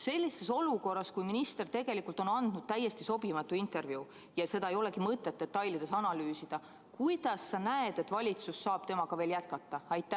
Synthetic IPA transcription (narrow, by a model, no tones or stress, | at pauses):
se̞lʲːise̞so̞luko̞rːɑskujminist̪e̞rt̪e̞ɡ̥e̞likult̪ˑonɑnd̪̥nud̪̥t̪æjːe̞st̪iso̞bimɑt̪ːˑuint̪e̞rvjiu | jɑse̞d̪̥ɑejo̞le̞kimɤt̪ˑːe̞t̪d̪ːe̞t̪ːɑjlid̪̥e̞sɑnɑlyːsid̪̥ɑ | kujd̪̥ɑsːɑnæed̪̥e̞t̪ːvɑlʲit̪susːɑːb̥̚t̪e̞mɑɡɑve̞ːljæt̪̚kɑt̪ːˑɑɑjt̪ːæ